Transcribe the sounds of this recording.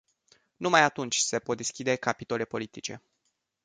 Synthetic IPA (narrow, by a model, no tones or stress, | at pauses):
numajat̪unt͡ʃʲse̞po̞t̪̚d̪eskʲid̪e̞kapi̥t̪ole̞po̞lit̪it͡ʃe̞̰